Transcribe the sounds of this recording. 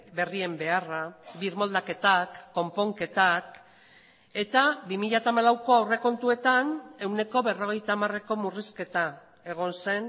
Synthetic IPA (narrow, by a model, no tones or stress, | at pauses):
be̞rie̞mbe̞araβiɾmo̞ld̪ake̞t̪akːo̞mpo̞ŋke̞t̪ak | e̞t̪abimiʎat̪aːmalawko̞awre̞ko̞nt̪ue̞t̪ane̞wne̞ko̞βe̞ro̞ɣ̞e̞jt̪aːmare̞ko̞muriske̞t̪a | e̞ɣ̞o̞nse̞n